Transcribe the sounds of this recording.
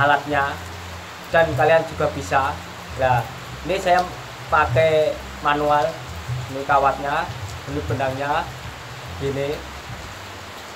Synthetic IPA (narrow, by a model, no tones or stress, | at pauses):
alat̪̚ɲa | d̥a̤nkalijand͡ʒṳɡ̥a̤b̥i̤sa | la | inisaja | pakɛ | manual | inikawat̪̚ɲabənib̥ə̤naŋɲa | ɡ̥ine